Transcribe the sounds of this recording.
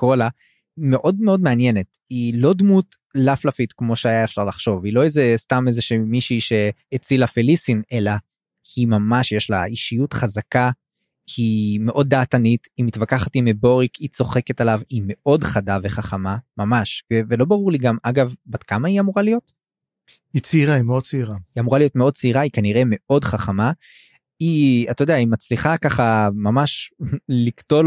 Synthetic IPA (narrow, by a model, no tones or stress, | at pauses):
kola | ime̞ʔo̞dmeo̞dmeanje̞ne̞t | ilo̞dmut | laflafitkmo̞ʃeajaefʃaʁlaχʃo̞vilo̞ezestamezeʃimiʃiʃe̞et͡silafilisine̞la | himamaʃjeʃla̰iʃijutχazaka | hime̞ʔo̞d̪̚ːaːtanitimitvakaχatimebo̞ʁikʰit͡so̞χe̞ke̞talavime̞ʔo̞dχadaveχaχamamamaʃvevelo̞baʁuʁliɡamaɡavbad̥kamaiamuʁalijo̞t | it͡seiʁaimeo̞d̚t͡siiʁaiamuʁalijo̞tmeo̞d̚t͡siiʁaikaniʁe̞me̞ʔo̞dχaχama | iat̪ajdeaimat͡sliχakaχamamaʃlikto̞l